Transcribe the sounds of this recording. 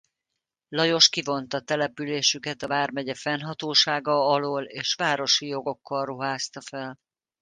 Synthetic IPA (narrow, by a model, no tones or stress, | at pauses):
lɒjo̞ʃkivo̞nt̪ɒt̪ɛlɛpyleːʃykɛt̪ɒvaːrmɛɟɛfɛnɦɒt̪oːʃaːɡɒɒloːleːʃʋaːɾo̞ʃijo̞ɡo̞kːɒlruɦaːst̪ɒfɛl